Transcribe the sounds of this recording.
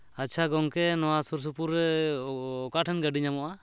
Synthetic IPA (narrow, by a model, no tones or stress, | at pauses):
at͡ʃʰaɡɔŋkɛnɔwasuɾs̬upuɾɛ | ɔkaʈʰɛnɡaɖiɲamɔʔa